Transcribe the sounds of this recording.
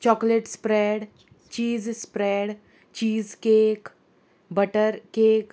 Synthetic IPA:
t͡ɕɔkleʈspɾeɽ | t͡ɕiːd͡zspɾɛɽ | t͡ɕiːd͡zkek | bəʈəɾkek

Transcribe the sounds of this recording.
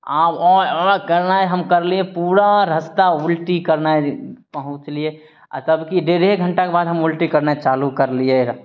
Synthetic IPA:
aːbɔːɾkəɾnaeɦəmkəɾliepuːɾaɾəst̪aʊlʈikəɾnaepəɦʊ̃t͡ʃlie | a̰t̪əbkiɖeɾɦeɡʱəɳʈakebaːd̪ɦəmʊlʈikəɾnat͡ʃaːlukəɾlieɾ

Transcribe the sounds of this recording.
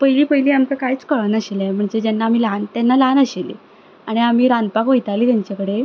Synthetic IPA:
pəjliːpəjliːamt͡sakajt͡skəɭənəɕelajm̤əɳd͡zed͡ʑɛnːaːmilant̪jɛnːalanəɕelḭ | aɽ̃iam̤iːɾand̪pakʋojt̪aliːt̪jaɲt͡ɕakəɽe

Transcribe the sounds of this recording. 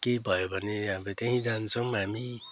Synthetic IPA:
kebʱʌjobʱʌneʌbʌt̪eɦĩd͡zant͡sʰʌmɦami

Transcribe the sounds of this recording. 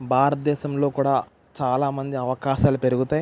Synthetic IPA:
bʱaːɾɐt̪̚d̪ɛːʃɐmlo̞ːkuːɽaː | t͡ʃaːlaːmɐnd̪iɐʋɐkaːʃaːlupe̞ɾuɡut̪aːj

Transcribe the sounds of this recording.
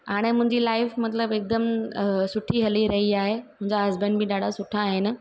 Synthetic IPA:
aːɽ̃emʊ̃ɦɪ̃ɲd͡ʑiːlaːɪfmɐt̪ləbek̚d̪əmsʊʈʰiɦɐliɾɐɦiaːɦemʊ̃ɦɪ̃ɲd͡ʑaɦɐzbənɖbɪɗaːɽ̤ʱasʊʈʰaːɦenɪ̆

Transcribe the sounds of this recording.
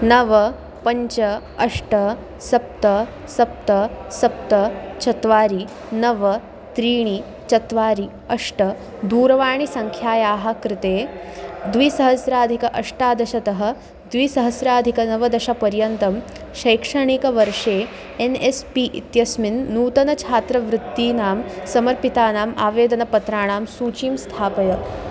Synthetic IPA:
nɐʋɐ | pɐɲt͡ʃɐ | ɐʂʈɐ | sɐp̚t̪ɐ | sɐp̚t̪ɐsɐp̚t̪ɐt͡ʃɐt̪ʋaːɾi | nɐʋɐ | t̪ɾiːɳ̃i | t͡ʃɐt̪ʋaːɾi | ɐʂʈɐ | d̪uːɾɐʋaːɳ̃isɐŋkʰjaːjaːɦɐkɾɪt̪eːd̪ʋiːsɐɦɐsɾaːd̪ʱikɐʔɐʂʈaːd̪ɐʃɐt̪ɐɦɐ̆ | d̪ʋiːsɐɦɐsɾaːd̪ʱikɐnɐʋɐd̪ɐʃapɐɾjɐnt̪ɐm | ʃɐjkʂɐɳikɐʋɐɾʂeː | enespiʔḭt̪jɐsminːuːt̪ɐnɐt͡ʃʰaːt̪ɾɐʋɾɪt̪ːiːnaːmsɐmɐɾpit̪aːnaːmaːʋeːd̪ɐnɐpɐt̪ɾaːɳ̃aːmsuːt͡ʃiːmst̪ʰaːpɐjɐ

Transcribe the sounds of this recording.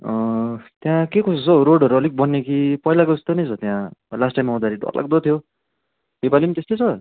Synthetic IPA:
ʌ̃t̪jãkekosot͡sʰʌɾoɽʌɾuʌlik̚bʌnːekipʌilakod͡zʌst̪onʌjt͡sʰʌt̪jãlasʈajmaɦõd̪aɾiɖʱʌ̰lʔa̰ɡ̚d̪ʌt̪ʰjo | ibalimt̪est̪ʌjt͡sʰʌ

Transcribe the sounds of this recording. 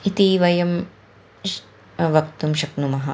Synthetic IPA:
it̪iʋɐjɐm | ʋɐkt̪umʃɐknumɐɦɐ

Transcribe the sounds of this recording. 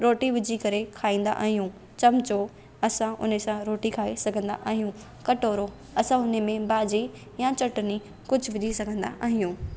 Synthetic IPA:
ɾoːʈiʋɪd͡ʑʱikɐɾekʰaːĩːnd̪a̰ʔa̰ːɦijũ | t͡ɕɐmt͡ɕo | ɐsãʔʊ̰nsãɾoːʈikʰaːesɐɡʱə̃nd̪a̰ʔaːɦijũ | kɐʈoːɾo | ɐsãʊnemẽbaːd͡ʑi | jat͡ɕɐʈni | kʊd͡ʑʱʊʋɪʄʱisɐɡʱə̃nd̪a̰ʔaːɦijũː

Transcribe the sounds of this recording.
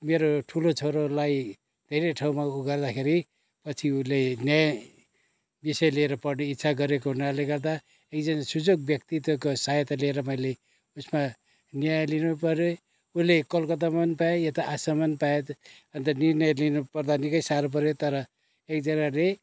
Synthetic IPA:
meɾoʈʰulot͡sʰoɾolaj | d̪ʱeɾeʈʰaw̃maɡʌrd̪akʰeɾi | pʌt͡sʰiulenjaj | bisʌjleɾʌpʌrneit̪ːsʰaɡʌɾek̬onaleɡʌrd̪a | ek̚d͡zʌnasud͡zoɡ̚bjʌkt̪it̪okosajt̪alieɾʌmʌjle | usma | njajlinupʌɾjo | ulekʌlkʌt̪̬amʌnpajejʌt̪ʌʔasamʌnpajet̪ | ʌnt̪ʌnirnʌjlinupʌrd̪anikʌjsaɾop̬ʌɾjot̪ʌɾʌ | ekd͡zʌnale

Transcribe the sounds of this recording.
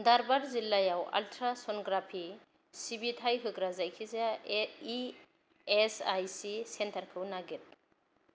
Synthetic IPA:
daɾbaɾzilːajawa̰ltʰɾasɔnɡɾapʰi | sibitʰajɦɯɡɾazajkʰizai | esajsisentʰaɾkʰɯwnaɡit̚

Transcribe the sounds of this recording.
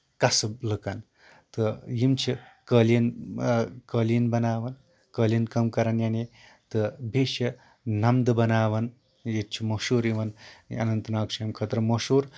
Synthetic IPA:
kɐsɐlɨkɐn | t̪ɨjimt͡ʃʰikəlin | kəːlinbɐnaːʋɐn | kəːlʲinkɐmkɐɾɐnjane | t̪ɨbʱeːʃɐ | nɐmd̪ɐbɐnaːʋɐn | jet̪̚t͡ʃʰimɐʃuːɾiʋɐnɐ̰nɐnt̪naːkʂʰijɐmkʰɐt̪ɾɐmɐʃuːɾ

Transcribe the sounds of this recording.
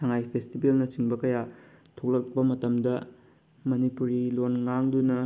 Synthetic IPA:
sɐŋajpʰestibelnɐt͡ʃiŋbɐkɐja | tʰok̚lɐk̚bɐmɐtɐmdɐ | mɐnipuɾilonŋaŋdunɐ

